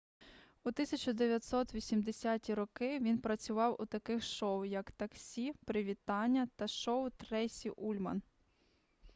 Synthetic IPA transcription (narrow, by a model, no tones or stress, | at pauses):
ut̪ɪsʲɐt͡ʃɔd̪eʋʲjɐt̪sɔt̪ʋʲisʲimd̪esʲatʲiɾɔkɪʋʲinpɾɐt͡sʲʊʋɑwʔut̪ɐkɪxʃɔʊjɐkt̪ɐksʲipɾɪʋʲit̪ɑnʲːɐt̪ɐʃɔʊt̪ɾɛsʲiʔulʲmɐ̰n